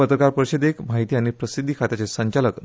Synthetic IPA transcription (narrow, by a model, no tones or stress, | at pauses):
ət̪ɾəkaɾpəɾiɕed̪ekmaɦit̪iañipɾəsid̪ʱːikʰat̪at͡sesəɲt͡ɕaləkn